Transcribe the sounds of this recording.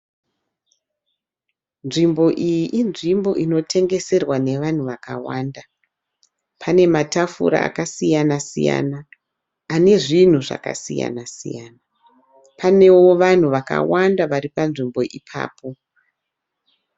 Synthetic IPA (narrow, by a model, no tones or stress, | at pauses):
nʐimbo̞ʔijiʔinʐimbo̞̰ʔino̞tʰe̞ŋɡe̞se̞rwane̞ʋan̤uʋakawaːnda | pʰane̞matafṵɾa̰ːkasijanasḭja̰naː | ne̞ʐin̤uʐa̰ka̰sija̰nasḭjaːna | pane̞wo̞ʋan̤uʋaka̰wandaʋaɾipanʐimbo̞ʔipʰa̰ːpʰo̞